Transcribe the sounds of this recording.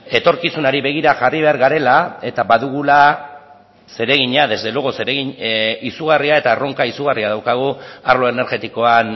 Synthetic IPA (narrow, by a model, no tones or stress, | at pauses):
e̞t̪o̞ɾkisunaɾiβe̞ɣ̞iɾaʝariβ̞e̞aɾɣaɾe̞lae̞t̪abaðuɣ̞ula | se̞ɾe̞ɣ̞iɲaðe̞zd̪e̞loɣoseɾeɣiɲisuɣ̞ariae̞t̪aro̞ŋkaisuɣ̞ariað̞awkaɣ̞uaɾrlo̞e̞ne̞ɾɣe̞t̪iko̞an